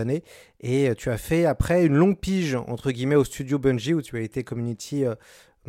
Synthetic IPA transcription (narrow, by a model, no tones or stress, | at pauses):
ne | eøt̪ʰyafɛapχɛynlɔ̃ɡ̚piʒɑ̰̃t̪χəɡʲimɛost̪yd̪jobɛ̃nʒiut̪yaet̪ekɔmynit̪ʰiø